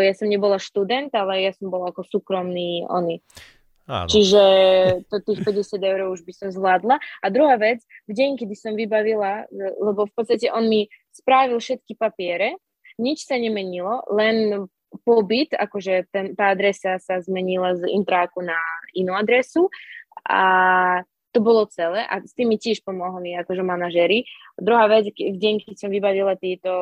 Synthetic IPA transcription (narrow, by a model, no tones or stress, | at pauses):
jasɔmɲɛbɔlaʃt̪ud̪ɛnt̪alɛjasɔmbɔlaakɔsuːkɾɔmniːɔ̰ni | t͡ʃiʒɛt̪ɔt̪iːxt̪ɔɟɛsad̪ɛʊɾɔʊuʒbisɔmzʋlaːd̪laad̪ɾuɦaːʋɛt͡svɟɛɲkɛd̪isɔmvibaʋilalɛbɔfpɔt̪st̪acɛʔɔnmispɾaʋilfʃɛt̪kipapɪɛɾɛ | ɲit͡ʃsaɲɛmɛɲilɔlɛn | pɔbit̪a̰kɔʒɛt̪ɛnt̪aːad̪ɾɛsasazmɛɲilazḭnt̪ɾaːkunainuːad̪ɾɛsua̰ | t̪ɔbɔlɔt͡sɛlɛːʔa̰st̪imːicɛʃpɔmɔɦliakɔʒɛmanaʒɛɾid̪ɾuɦaːʋɛd͡zvɟɛɲkɛd̪sɔmvibaʋilat̪iːt̪ɔ